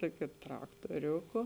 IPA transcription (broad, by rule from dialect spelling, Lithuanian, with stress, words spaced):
ˈtuɔkʲʊ trɐktuɔˈrʲuːkʊ